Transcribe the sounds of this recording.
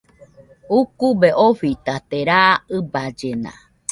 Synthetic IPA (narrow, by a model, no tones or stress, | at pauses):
ukubeʔoɸit̪at̪eɾaɨbad͡ʒena̰